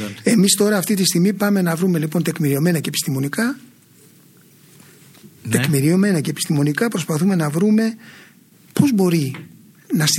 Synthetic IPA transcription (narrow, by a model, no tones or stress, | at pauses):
e̞mist̪o̞ɾɐːft̪it̪ist̪iɣmipɐme̞nɐvɾume̞lipo̞nt̪e̞kmiɾio̞me̞nɐcepi̥st̪imo̞nikɐ | t̪ekmiɾio̞me̞nɐce̞ːpi̥st̪imo̞nikɐpɾo̞spɐθume̞nɐvɾume̞ | po̞zbo̞ɾi | nɐs